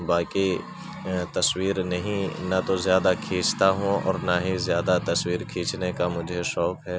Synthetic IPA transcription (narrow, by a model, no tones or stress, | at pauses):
baːki | t̪ɐswiːɾnɐɦĩnat̪ozjaːd̪akʰiːt͡ʃt̪aɦõɔ̰ːɾnaɦizjaːd̪at̪ɐswiːɾkʰiːt͡ʃnekamʊd͡ʒʱeʃɔːkɦɛː